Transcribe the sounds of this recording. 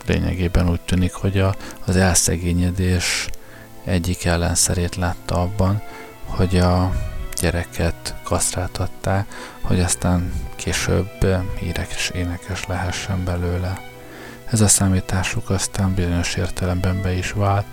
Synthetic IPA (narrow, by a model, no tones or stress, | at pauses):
lḛːɲɛ̰ɡeːbɛnuːc̚t̪yːnikho̞ɟɒːzɛlsɛ̰ɡeːɲɛd̪eːʃ | ɛɟːikɛlːɛ̰nsɛɾeːt̪laːt̪ːɒɒbːɒn | ho̞ɟɒɟ̥ɛɾɛkʰɛt̪kɒsraːt̪ʰɒt̪ːaːk | ho̞̰ɟɒst̪aːŋkʰeːʃø̰bḭːɾɛke̥ʃeːnɛkɛʃlɛɦɛʃːɛmbɛløːlɛ | ɛzɒsaːmiːt̪aːʃukɒst̪aːmbizo̞ɲo̞ʃeːrt̪ɛlɛmbɛmbɛiʃʋaːlt̪